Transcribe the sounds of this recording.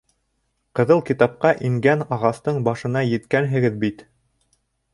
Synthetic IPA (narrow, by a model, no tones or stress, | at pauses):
qɤ̆ðɤlˠkit̪ɑp̚qɑʔiŋɡænɑʁɑst̪ɤɴbɑʃɤ̆nɑjɘ̆t̪kænɦɘ̆ɡɘðbit̪